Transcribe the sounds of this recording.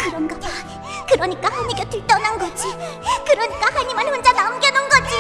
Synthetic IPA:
kɯɾʌmɡaba | kɯɾʌɲik͈ahaɲiɡetit͈ʌnanɡʌd͡ʑikɯɾʌɲik͈ahaɲimanɸond͡ʑanamɡenʌnɡʌd͡ʑi

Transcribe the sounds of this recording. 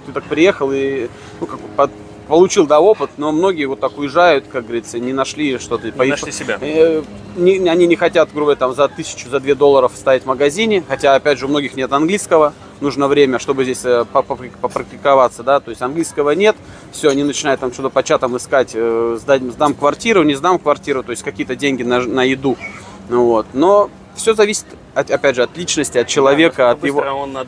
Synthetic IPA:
t̪ɨt̪ak̚pɾʲɪje̞xəlˠi | nukakpə | pəlˠʊt͡ɕilˠd̪ao̞pɨt̪no̞mno̞ɡʲɪjəvo̞t̪ːakʊjɪʐajʊt̪kak̚ɡəvɐɾʲit̪sənʲɪnɐʂlʲiʂt̪o̞t̪əpəisʲbʲa | nʲɪɐnʲinʲɪxɐtʲat̪ɡɾubət̪amzɐt̪ɨsʲɪ̥t͡ɕʊzɐd̪vʲed̪o̞lˠːəɾəfst̪avɪtʲməɡɐzʲinʲɪxɐtʲaɐpʲædʲʐɨʊmno̞ɡʲɪxnʲe̞t̪ɐnɡlʲiskəvə | nuʐnəvɾʲemʲəʂt̪o̞bɨzʲdʲesʲəpəpəpəpɾək̚tʲɪkɐvat̪səd̪at̪o̞ɪsʲtʲɐnɡlʲijskəvənʲe̞t̪ | fsʲoɐnʲinət͡ɕɪnajt̪ːamt͡ɕt̪ot̪əpɐt͡ɕat̪əmɨskatʲzd̪atʲmzd̪amkvɐrtʲiɾʊnʲɪzd̪amkvɐrtʲiɾʊt̪o̞jɪsʲtʲkɐkʲijət̪ədʲenʲɡʲɪnənəjɪd̪u | vo̞t̪no̞ | fsʲozɐvʲisʲɪ̥t̪ | ɐɐpʲædʲʐɨɐt̪lʲit͡ɕnəsʲtʲɪɐt̪̚t͡ɕɪlˠɐvʲe̞kəɐt̪jɪ

